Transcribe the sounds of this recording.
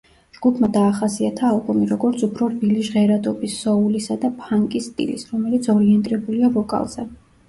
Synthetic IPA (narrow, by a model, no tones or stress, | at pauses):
d͡ʒɡupʰmad̪aːχasiat̪ʰaːlˠbɔmiɾɔɡɔɾt̪sʰupʰɾɔɾbiliʒʁɛɾad̪ɔbisːɔulisad̪apʰaŋkʼisːt̪ʼḭlḭsɾɔmɛlit̪sʰɔɾiɛnt̪ʼɾɛbuliavɔkʼa̰lˠz̥ɛ